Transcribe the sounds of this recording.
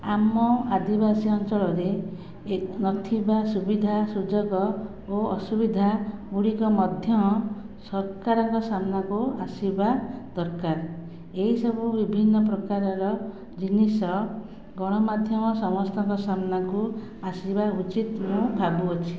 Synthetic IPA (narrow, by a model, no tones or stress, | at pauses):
amɔad̪ibasiɔnt͡ʃɔɭɔɾe | nɔt̪ʰibasubid̪ʱasud͡ʒɔɡɔ | oɔsubid̪ʱauɽikɔmɔd̪ʱjɔmɔ | sɔɾkaɾɔŋkɔsamnakuasibad̪̥ɔɾkaɾ | eɦisɔbʱubibʱinːɔp̬ɾɔkaɾɔɾɔ | d͡ʒinisɔ | ɡɔɽ̃ɔmad̪ʱjɔmɔsɔmɔst̪ɔŋkɔsamnaŋku | asibaut͡ʃit̪mũbʱabuɔt͡ʃʰi̥